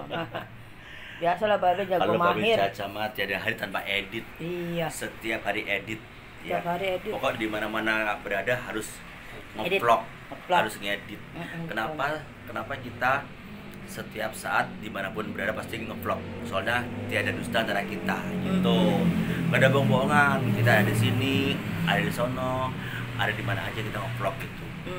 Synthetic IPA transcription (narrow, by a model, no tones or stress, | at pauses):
biasalahbabɛd͡ʒaɡalomabeɪat͡ʃamat̪iadaɦaɾit̪anpaʔedɪt̪̚iasət̪iap̚haɾiʔedɪt̪̚ | japhaɾiedpɔkɔdimanamanabəɾadaɦaɾʊs | ŋəplɔk̚ | əlaɾʊsŋedɪt̪̚kənapa | kənapakit̪a | sət̪iap̚sa̰ʔat̪̚dimanapʊnbəɾadapast̪iŋəplɔk̚əsoalɲat̪iadadust̪aːnt̪aɾakit̪aɡit̪ukadabaŋboŋankit̪adadisiniadadisɔnɔ | a̰dadimana̰a̰d͡ʒakit̪aŋəplɔk̚ɡit̪u